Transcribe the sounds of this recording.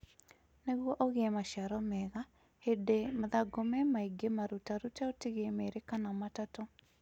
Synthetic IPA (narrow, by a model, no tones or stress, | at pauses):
neɣwɔʔɔɣeɛmaʃaɾɔmɛɣa | hedemaðaɡomɛmaiɡemaɾutaɾutaotiɣemeɾekanamatatɔ